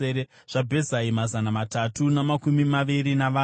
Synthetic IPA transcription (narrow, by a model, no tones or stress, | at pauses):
ee | ʐ̥abʱe̞zaimazanamatatunamakumimaʋiɾinaʋaː